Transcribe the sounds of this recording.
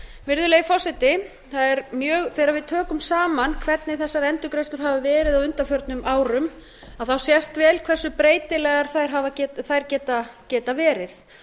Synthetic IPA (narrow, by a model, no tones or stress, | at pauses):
vɪɾðʏleːɣfɔsɛt̪ɪ | θaðɛɾmjœːɣθeːjɾaɾvɪðt̪ʰœːkʏmsaːmankʰv̥ɛt̪nɪθɛsːaɾɛnt̪ʏkɾejst̪ʏɾ̥ɦaːvavɛːɾɪðawʏnt̪afœɾt̪nʏmaːwɾʏm | aðθawsjɛst̪vɛːlkʰv̥ɛr̥sʏpɾeːjt̪ɪlɛɣaɾ̥θajɾɦavacɛθajɾcɛːt̪acɛːt̪avɛːɾɪθ